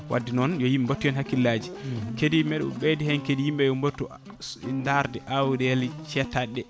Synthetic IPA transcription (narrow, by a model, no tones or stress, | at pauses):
wʔa̰dːinɔnjɔjimbotːujɛnhakːilːad͡ʒikedimɛɗɔ̰ɓedihɛnkedijimɓɛjɔmbotːu | ndaɾdɛʔawdɛlt͡ʃɛtaɗːɛ